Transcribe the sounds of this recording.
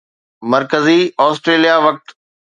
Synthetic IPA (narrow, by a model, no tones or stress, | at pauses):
mɐɾkəziɔːsʈɾeːlijaʋɐk̚t̪